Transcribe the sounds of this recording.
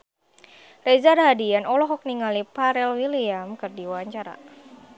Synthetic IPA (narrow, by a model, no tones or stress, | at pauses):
rɛzarɦadianɔlɔɦɔk̚niŋalipaɾɛlwiliamkɨrdiwaɲt͡ʃaɾa̰